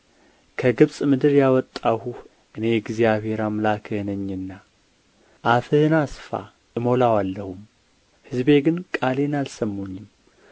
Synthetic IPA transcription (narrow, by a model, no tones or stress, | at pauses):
kʰəɡɨβsʼmɨd̪ɨɾjawɔt̪ʼːahuh | ʔɨne̞ɡzjaβe̞ɾamlakʰɨhnəɲːɨnːa | ʔafɨhnasfa̰ | ʔɨmo̞lawalːəhum | hɨzbe̞ɡɨnkʼale̞nalsəmːoɲːɪm